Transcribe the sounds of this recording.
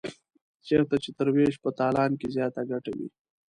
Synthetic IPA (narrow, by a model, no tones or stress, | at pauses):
t͡ʃeɾt̪at͡ʃet̪əɾweʃpət̪ɑːlɑːnkezjɑːt̪aɡaʈawḭ